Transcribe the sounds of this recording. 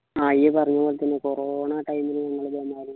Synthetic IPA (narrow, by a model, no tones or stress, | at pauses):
aːijepɐrɐɲːumoːlt̪ɐnːekoroɳaːʈɐjmilɨɲɐŋːɐɭebemːaːɾu